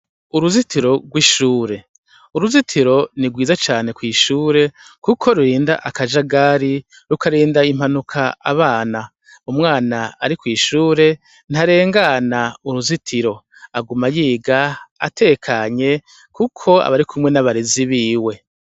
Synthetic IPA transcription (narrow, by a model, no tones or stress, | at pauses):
uɾuzitʰiɾo̞ɡwiːʃuːɾe̞ | uɾuzitʰiɾo̞niɡwiːzat͡ʃaːne̞kwiːʃuːɾe̞kukʰo̞ɾuɾiːndaʔakaʒaɡaːɾi | ɾukaɾiːndaim̥hanukʰaaβaːna | umŋaːnaːɾikwiːʃuːɾe̞ | nhaɾe̞ːŋɡanauɾuzitʰiɾo̞ | aɡumajiːɡaa̰tʰekʰaɲe̞ | kukʰo̞a̰βaɾikumŋe̞naβaɾiziβiːwe̞